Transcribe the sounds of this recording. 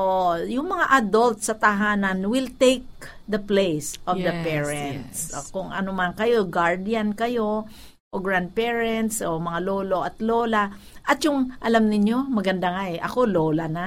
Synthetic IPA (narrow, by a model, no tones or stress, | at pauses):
ojʊŋmɐŋaʔɐd̪olt̪̚sɐt̪ɐɦaːnɐnwɪlt̪ejk̚ | d̪ɐplejsʔɔvd̪ɐpɛɹɛnt̪skʊŋɐ̰nomankɐjo̞ɡaɹd̪ɪjankɐjo̞ | ʔoɡɹand̪̚pɛɹɛnt̪somɐŋaloːlo̞ʔɐt̪loːla | ʔɐt̪jʊŋʔɐlamnɪɲjo̞mɐɡɐnd̪aŋaʔɛʔɐ̰ko̞loːlana